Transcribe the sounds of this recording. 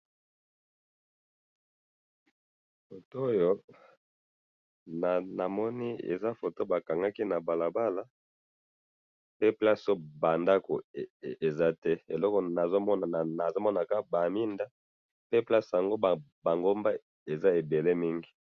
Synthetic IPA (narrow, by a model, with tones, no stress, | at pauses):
fo˨to˦jo˦ | na˨na˨mɔ˦ni˦ḛ˨za˦fo˨to˦ba˨ka˨ŋɡa˦ki˦na˨ba˨la˨ba˦la˦ | pe˦pla˦so˦ba˨nda˦ko˨e˨za˦tɛ˦e˨lɔ˦kɔ˨na˨zo˦mɔ˦˨na˨zo˦mɔ˦na˨ka˦ba˨mi˦nda˦ | pe˦pla˦sja˨ŋɡo˦˨ba˨ŋɡo˦mba˦ | e˨za˦e˨be˨le˦mi˦ŋɡi˨